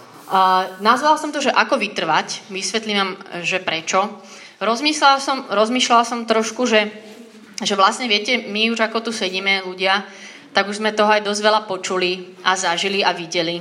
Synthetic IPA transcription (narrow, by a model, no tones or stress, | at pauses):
nazʋalsɔmt̪ɔʒɛʔakɔʋit̪r̩ʋacʋisʋɛt̪liʋamʒɛpɾɛt͡ʃɔ | ɾɔzmislalsɔmɾɔzmiːʃlalsɔmt̪ɾɔʃkuʒɛ | ʒɛʋlasɲɛʋɪɛcɛmiuʒakɔt̪usɛɟiːmɛluɟɪa | t̪aɡuʒzmɛt̪ɔɦɔajd̪ɔzɟʋɛʎapɔt͡ʃuli | ʔazaʒiliaʋiɟɛli